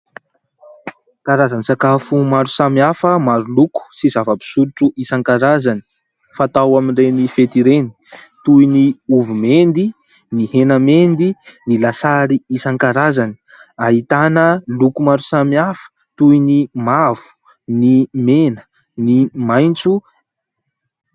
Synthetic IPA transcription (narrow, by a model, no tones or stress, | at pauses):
kaɾazanisakafumaɾusamiafəmaɾuluku̥sizavəbi̥suɾuʈ͡ʂuʔisaŋkaɾazani̥ | fat̪awaminrenifet̪iɾeni̥ | t̪ujniuvumend̪i | nihenamend̪inilasaɾiisaŋkaɾazani̥ | aɦit̪anəlukumaɾu̥samiafə̥ | t̪ujnimav̥u̥ | nimenə̥ | nimajnt͡su